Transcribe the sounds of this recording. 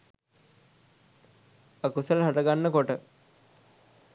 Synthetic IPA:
əkusəlɦɐʈɐɡanːəkoʈə

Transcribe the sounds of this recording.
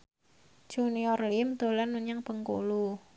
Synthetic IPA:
d͡ʒ̥uniɔrlimt̪o̤lanmuɲaŋpəŋko̰lu

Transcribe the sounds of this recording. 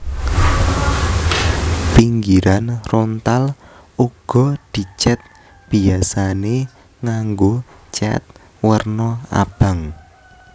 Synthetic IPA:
piŋɡiɾanront̪al | uɡ̥ɔ̤d̪̥i̤t͡ʃɛt̪̚ | b̥iasane | ŋaŋɡo | t͡ʃɛ̰t̪̚ | wərnɔa̰b̥a̤ŋ

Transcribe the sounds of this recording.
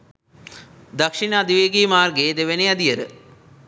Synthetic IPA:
d̪ɐkʂinəːd̪iʋeːɡiːmaːrɡeːd̪eʋenejɐd̪ijəɾə

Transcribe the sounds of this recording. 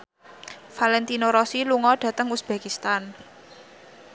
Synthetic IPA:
falɛnt̪inoɾɔsiluŋɔɖ̥ä̤t̪əŋusb̥e̤kist̪an

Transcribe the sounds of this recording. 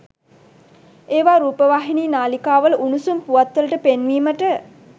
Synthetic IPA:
eːʋaːɾuːpəʋaːɦiniːnaːlikaːʋəlʔunusumpuʋat̪ʋələʈəpenʋiːməʈə

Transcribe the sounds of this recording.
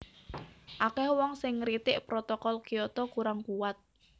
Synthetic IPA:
ʔakɛhwɔŋsɪŋːɾit̪ɪʔpɾɔt̪ɔkɔlkijɔt̪ɔkuɾaŋkuwat̪̚

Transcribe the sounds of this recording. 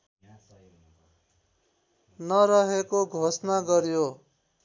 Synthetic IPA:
nʌɾʌɦekoɡʱosnaɡʌɾjo

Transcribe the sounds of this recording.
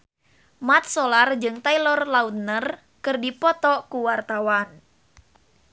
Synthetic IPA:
mat̪̚sɔlard͡ʒɨŋt̪ailɔrlaut̪̚nər | kɨrdipɔt̪ɔkuwart̪awan

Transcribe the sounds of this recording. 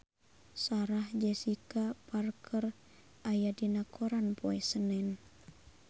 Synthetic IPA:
saɾahd͡ʒɛsikaparkʰər | ʔajadinakʰoɾanpoɛsənɛn

